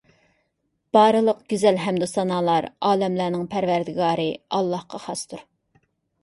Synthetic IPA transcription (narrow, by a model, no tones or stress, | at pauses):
b̥ɑːɾɨlˠəqɡ̥ʲyzɛlɦɛmd̪usɑnɑːlˠɑɾɑːlɛmlæɾnɪŋpʰæɾvæɾd̪ɪɡɑːɾɨɑlˠːɑhqɑχɑst̪ʰuɾ